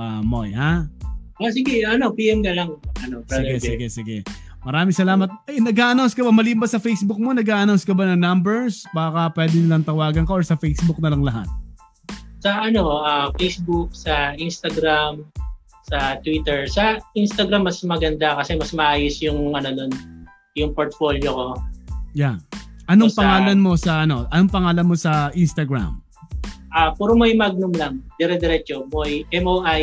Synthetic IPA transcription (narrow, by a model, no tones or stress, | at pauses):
ʔamojha | as̬ɪɡɛɐno̞piːʔɛmɡɐlaŋʔɐnopːɪdɡɛsɪɡɛsɪɡɛ | mɐɾaːmɪŋsɐlaːmɐt̪̚ʔɐjnɐɡaːʔɐnawnskɐbɐmɐlimbɐsɐfejsbʊk̚monɐɡaːʔɐnawnskɐbɐnɐŋnambɛɹsbaːkɐpwɛːd̪ɪnɪlɐnt̪ɐwaːɡɐnkɐʔoɹsɐfejsbʊk̚nɐlɐŋlɐɦa̰t̪̚ | sɐʔɐno̞ʔafejsbuk̚sɐʔinst̪ɐɡɾam | sɐt̪wit̪ɛɹsɐʔinst̪ɐɡɾamːɐsmɐɡɐnd̪akɐsɛmɐsmɐʔaːjosjʊŋɐnonon | jʊŋpoɹt̪̚fo̞ːljoko̞janʔɐnoŋpɐŋaːlɐnmo̞sɐʔɐno̞ʔɐno̞ŋpɐŋaːlɐnmo̞sɐʔinst̪ɐɡɹa̰m | ʔapuːɾomojmaɡ̚nʊmlɐŋd̪ɛɾɛd̪ɛɾɛt͡ʃomojʔɛmʔoʔaj